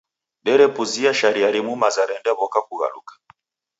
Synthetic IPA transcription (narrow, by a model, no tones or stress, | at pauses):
ɓɛɾɛpuziaʃaɾiaɾimumazaɾɛndɛβɔkakuɣa̰lṵkḁ